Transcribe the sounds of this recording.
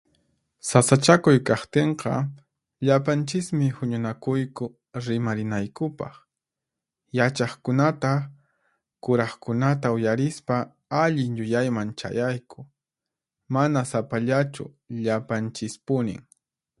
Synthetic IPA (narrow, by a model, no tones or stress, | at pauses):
sasat͡ʃakʊjkɑχt̪eɴqɑ̰ | ʎapant͡ʃɪsmɪhʊɲʊnakʊjkʊ | ɾɪmaɾɪnajkʊpɑ̰χ | jat͡ʃɑχkʊnat̪a | kʊɾɑχkʊnat̪aʊjaɾɪspa | aʎɪŋʎʊjajmant͡ʃa̰jajkʊ̥ | manasapaʎat͡ʃʊ̰ | ʎapant͡ʃɪspʊnɪ̰ŋ